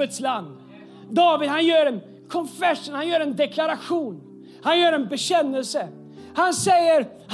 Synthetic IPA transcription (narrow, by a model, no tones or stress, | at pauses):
ət̪sland̪ | d̪ɑːvɪd̪hanjœːɾɛn | kʰɔnfɛʂunhanjœːɾɛnd̪ɛkʰlaɾaɧuːn | hanjœːɾɛnbɛɕɛnːɛlsə | hansɛjːəɾ | h